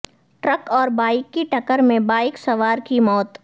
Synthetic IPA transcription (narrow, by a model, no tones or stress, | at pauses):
ʈɾəkɔːɾbaːɪkːiʈɐkəɾmẽbaːɪksɐʋaːɾkimɔːt̪